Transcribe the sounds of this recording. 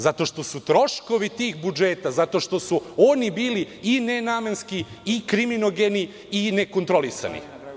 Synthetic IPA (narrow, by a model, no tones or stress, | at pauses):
zat̪o̞ʃt̪o̞sut̪ɾo̞ʃko̞ʋit̪iːxbud͡ʒeːt̪azat̪o̞ʃt̪o̞suoːnibiːli | inenaːmenskiikɾiminoɡeni | ine̞kont̪ɾo̞lisa̰nḭ